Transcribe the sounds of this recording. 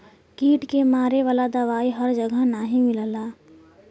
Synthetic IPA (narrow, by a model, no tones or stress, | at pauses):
kiːʈkemaːɾeʋaːlad̪ɐʋaːiɦəɾd͡ʒəɡʱənaɦĩmɪləlaː